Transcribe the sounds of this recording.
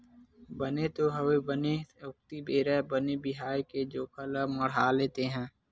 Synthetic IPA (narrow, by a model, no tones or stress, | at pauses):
bənet̪oɦəʋebəneʊk̚t̪ibeːɾɛbənebɪɦaːjked͡ʒoːkʰələməɽ̤aːleːt̪eɦɛ̃ː